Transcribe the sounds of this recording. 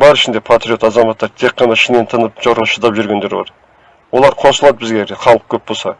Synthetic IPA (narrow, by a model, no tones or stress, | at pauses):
bɑɾɪʃɪnd̪e̞pʰat̪ɾʲijo̞t̪ɑzɑmɑt̪ːɑɾt̪ʰe̞qːɑnɑʃɪnent̪ʰənəpʒ̥ɑɾʁəʃəd̪ɑpʒʏɾɡʲe̞nd̪e̞ɾbɑ̰ɾ | wo̞lˠɑɾqʰo̞səlˠɑd̪əbɪzɡʲeɾeχɑlˠəq̚kʲʰɵp̚bo̞lˠsɑ